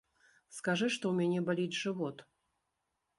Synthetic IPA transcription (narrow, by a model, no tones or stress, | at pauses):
skaʐɨʂt̪ɔwmʲanʲɛbalʲid͡zʲʐɨvɔt̪